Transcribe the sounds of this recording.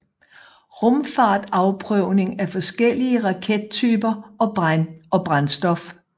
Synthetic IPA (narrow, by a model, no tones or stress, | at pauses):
ʁɔ̽mfɑ̈ːd̥ɑ̈ʊpʰʁœʊ̰ne̝ŋæfɒ̽sɡ̥el̰iəʁɑ̈kʰed̥̚t͡sʰy̰ːb̥ɐɒ̽b̥ʁanɒ̽b̥ʁansd̥ɒ̽f